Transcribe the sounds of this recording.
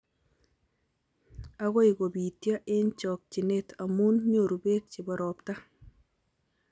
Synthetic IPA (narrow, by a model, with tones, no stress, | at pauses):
a˦ɣɔ˦i˨ɡo˨bi˨tja˦ʔɪ˦ɲt͡ʃɔ˨k̚t͡ʃi˨ne˦tʰa˨mu˦nɲo˨ɾu˨be˦t̚t͡ʃɪ˨bɔ˨ɾɔ˨pta˦